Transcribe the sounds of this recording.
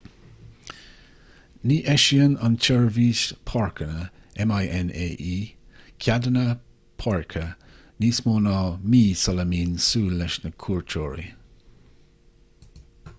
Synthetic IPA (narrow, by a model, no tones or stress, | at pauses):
niːʔɛʃiənant͡ʃʰɛɹviːʃpʰɔɹkənə | ɛmajʔɛneːʔiːkʰʲadənə | pʰɔɹkʰə | niːsmoːnɑːmiːsɔləmiːnsuːlːɛʃnəkʰuːɹt͡ʃʰoːɹḭ